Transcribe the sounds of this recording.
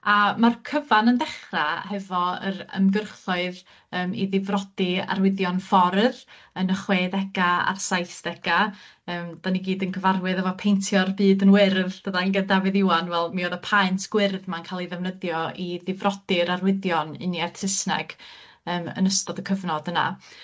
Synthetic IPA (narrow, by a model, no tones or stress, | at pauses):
amarkʰəvanənðɛχrahɛvɔə̰ɾə̰mɡərχʊɨð | əːmḭðɪvrɔd̥ɪa̰rwɪðjɔnfɔɾð | ənəχweːðɛɡ̥aa̰rsajsd̥ɛɡ̥a | əːmd̥aniɡiːdənɡʰəvarwɨðɛvɔpʰejntʰjɔrbɨːdənwɛɾðdəðanɡəndavɨðɪwanvɛlˠmioːðəpʰajntʰɡ̥wɪrðmankʰaːlˠiðɛvnəðjɔiðɪvrɔd̥ɪɾarwɪðjɔnɨ̰niɛrtʰɪsnɛ̰ɡ̥ | əːmə̰nəstɔdəkʰəvnɔdəna̰